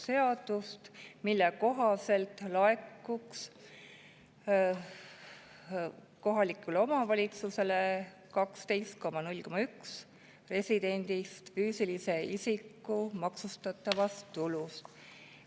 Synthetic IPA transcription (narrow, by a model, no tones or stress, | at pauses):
se̞ɑd̪̥ust̪milːɛko̞ɦɑse̞lt̪ˑlɑe̞kːuks | ko̞ɦɑlikːˑulo̞mɑvɑlʲit̪suse̞le̞ | kɑkst̪e̞jst̪̚ko̞mɑnulʲko̞mːɑyks | re̞sʲid̪̥e̞nʲd̪̥ist̪fyːsilise̞ʔisikːumɑksust̪ɑt̪ˑːɑvɑst̪ːulust̪